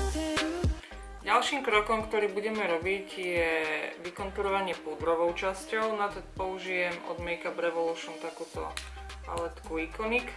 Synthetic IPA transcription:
ɟalʃiːmkɾɔkɔmkt̪ɔɾiːbuɟɛmɛɾɔbicjɛʋikɔnt̪uɾɔʋaɲɪɛpud̪ɾɔʋɔʊt͡ʃascɔʊnat̪ɔpɔuʒijɛmɔ̰d̪mɛjkapɾɛʋɔluʃunt̪akuːt̪ɔ̰ | a̰lɛt̪kuikɔnik

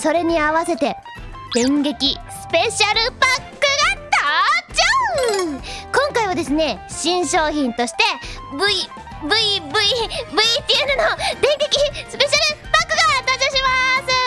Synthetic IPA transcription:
so̞ɾe̞ɲ̟iaβase̞t̪e̞ | d̪̥ẽ̞ŋɡe̞kʲisɨ̥pe̞ɕaɾɯ̟pakːɯ̟ɡat̪at͡ɕa | kõ̞ŋkaiβad̪e̞sɨne̞ɕĩɰ̃ɕo̞ːçĩnt̪o̞ɕi̥t̪e̞bɯ̟i | bɯ̟ibɯ̟ibɯ̟it̪ʲienɯnod̪ẽ̞ŋɡe̞kʲisɨ̥pe̞ɕaɾɯ̟pakːɯ̟ɡat̪at͡ɕoɕimasɨ

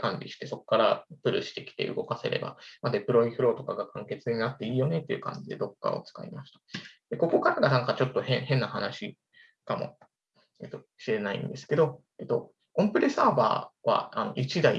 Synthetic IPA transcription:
kãɲbʲiɕi̥t̪e̞so̞kkːaɾapɯ̟ɾɯ̟ɕi̥t̪e̞kʲi̥t̪e̞ɯ̟ɡo̞kase̞̰ɾe̞̰ba̰mad̪epɯ̟ɾo̞ĩɸɯ̟ɾo̞ːt̪o̞kaɡakʰãŋke̞t͡sɨɲ̟inat̪ːe̞iːjo̞ne̞t̪ːe̞iɯ̟̰kã̰ɲ̟d͡ʑid̪e̞d̪o̞kːa̰o̞̰t͡sɨ̥ka̰ḭmaɕi̥t̪ḁd̪̥e̞ko̞ko̞kaɾaɡanãŋkat͡ɕo̞t̪ːo̞hẽ̞hẽ̞nːaɦanaɕi | kamo̞̰ | et̪o̞ | ɕiɾe̞naḭ̃nd̪e̞sɨ̥ke̞d̪o̞ | et̪o̞̰ | kõ̞mpɯ̟ɾesaːba̰ːβa̰anoʔit͡ɕid̪aḭ

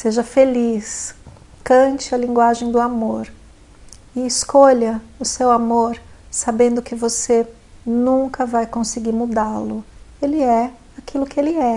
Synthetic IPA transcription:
seʒɐfelis | kɐ̃t͡ʃɪɐlĩŋɡwaʒẽj̃d̪ʊamoɾ | ɪːskoʎɐʊsewamoɾsabẽnd̪ʊkɪvose | nũŋkɐvajkõsɪɡiɾmud̪alʊelɪɛ | akʰilʊkɪelɪɛ

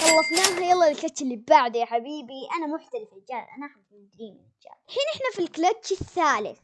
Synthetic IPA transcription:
xˤɑlːɑfnaːɦajɑlˤːɑːlɪlkat͡ʃːɪlːibaʕd̪ijaħabiːbiʔanamʊħt̪alɪfɪld͡ʒa̰ːʔa̰nʔaħamɪd̪ɾiːmɪnɪld͡ʒa̰ːħiːnʔɪħnafilklatt͡ʃiθːaːlɪ̰θ

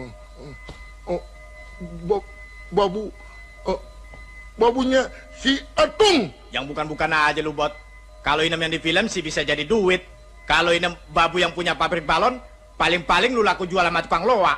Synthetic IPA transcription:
b | babu | babuɲa | siət̪ʊŋ | jaŋbukanbukanaːd͡ʒalubɔt̪̚ | kaloinəmjaŋdifiləmsɪhbisad͡ʒadiduɪt̪̚ | kaloinəmbabujaŋpuɲapabɾɪk̚balɔn | palɪŋpalɪŋlulakud͡ʒualamat̪u̥paŋloa

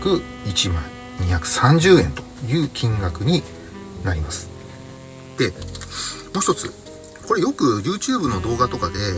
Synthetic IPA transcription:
kɯ̟ | it͡ɕimãŋ | ɲʲiçakɯ̟̥sãɲ̟d͡ʑɨːẽ̞nt̪o̞̥jɯ̟ːkʲʰĩŋɡakɯ̟ɲ̟i | naɾʲimasɨ̥ | d̪̥e̞ | moːçi̥t̪o̞t͡sɨ̰ | ko̞ɾe̞jo̞kɯ̟jʲɯːt͡ɕɨːbɯ̟no̞d̪o̞ːɡat̪o̞kad̪e̞

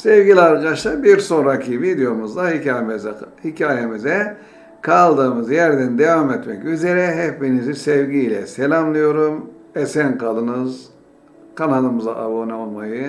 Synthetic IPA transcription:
sevɡʲilʲiaɾkad̪aʃlˠaɾbiɾso̞nɾacʰivid̪ejo̞muzd̪ai | hicʰaːjemizɛ | kʰalˠd̪ɯːmɯzjæɾd̪ænd̪evamet̪mɛcyze̞ɾɛɦɛfbinizisɛvɟilʲɛ̰selʲamlˠɯjo̞ɾumesænkalˠɯnɯz | kʰanalˠɯmɯzaʔabonaolˠmajɯ

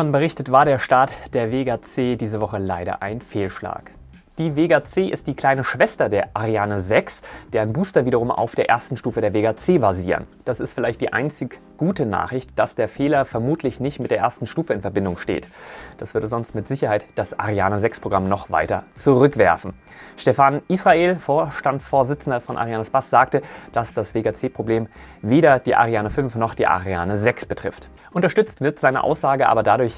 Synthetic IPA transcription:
ʃɔnbəʁ̞ɪçtətv̥aːɐɾeːɐʃtaːɐtd̥eːɐveɡaːt͡seːdiːzəvɔχəlaɪɾɐ̰ʔaɪnfeːlʃla̰ːk | d̥iːveːɡat͡seːʔɪ̰std̥iːkl̥aɪnəʃv̥ɛstɐdeːɐʔaʁiaːnəzɛksd̥eːɐaɪnbuːstɐviːɾɐʁ̞ʊmʔa̰ʊfd̥eːɐʔḛɐstn̩ʃtuːfədeːɐveːɡat͡seːbaziːʁə̰nd̥asɪstfɪlaɪçt̚d̥iːʔa̰ɪnt͡sɪɡ | ɡ̥uːtəna̰ːχʁɪçtd̥asd̥eːɐfeːlɐfɛɐmuːtʰlɪçnɪçtmɪtd̥eːɐʔeːɐstn̩ʃtuːfəɪnfɛɐbɪndʊŋʃtḛːtd̥asv̥ʏɐdəzɔnstmɪtz̥ɪçɐhaɪtd̥asʔa̰ʁiaːnəzɛkspʁ̥oɡ̥ʁamnɔχv̥a̰ɪtɐt͡suʁʏkv̥ɛɐfn̩ | ʃtɛfanʔisʁ̥aʔeːlfoːɐʃtantsfoːɐzɪt͡sn̩dɐfɔnʔa̰ʁiaːnəsb̥asz̥aːk̚təd̥asd̥asv̥eːɡat͡seːpʁ̥obleːmveːɾɐd̥iːʔa̰ʁiaːnəfʏnfnɔχd̥iːʔa̰ʁia̰ːnəzɛksb̥ətʁ̥ɪ̰ft | ʔʊntɐʃtʏt͡stv̥ɪɐtz̥aɪnə̰ʔa̰ʊsz̥aːɡəʔa̰ːbɐdadʊɐç

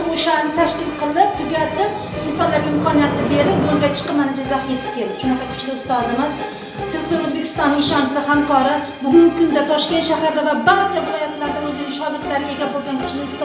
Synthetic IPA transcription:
ɪoʃanɪnɪt̪ʰaʃkʲɪlˠqʰɨlˠɪp̚t̪ʰʊɡʲat̪ɪp̚ | ɪnsɒnlaɾʲɪmkʰɒnijat̪ɪbe̞ɾɪp̚ɡoɾʲat͡ʃʰɨ̥qɨmanɪd͡ʒazaχt̪je̞t̪ʰɪ̥p̚kʲʰe̞ld̪ɪ̥ʃʊnɑqʰɑkʲʰʊ̥t͡ʃʰlɪʊst̪ɒzɪmɪz | sɪzkʲɪɾɵzbe̞kʲʰɪ̥st̪ɒnːɪŋɪʃɒnsɪd̪ahamkʰɒɾɪ | bʊɡʲʊŋkʲɪkʰʊnd̪at̪ʰɒʃkʲe̞nt̪ʃahaɾd̪avabaɾt͡ʃʰavɪlɒjat̪laɾd̪aɵzɪnɪŋʃɒɡʲɪɾd̪laɾɪɡʲe̞ɡʲabolˠɡʲankʰʊ̥t͡ʃlɪʊst̪

